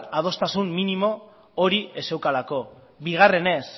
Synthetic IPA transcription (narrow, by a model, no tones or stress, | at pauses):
tað̞o̞st̪asumːinimo̞ | oɾie̞se̞wkalako̞ | biɣ̞are̞ne̞s